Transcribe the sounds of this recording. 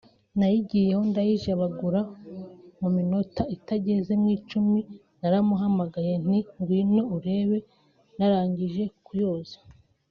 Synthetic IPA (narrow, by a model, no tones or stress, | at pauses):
najiɟije̞ho̞ndajiʒaβaɡuɾa | mumino̞taitaɟe̞ze̞mŋiːt͡ʃumi | naɾamuɦamaɡaje̞n̥iŋɡwiːno̞uɾe̞ːβe̞ | naɾaːɲɟiʒe̞kujo̞ːzḁ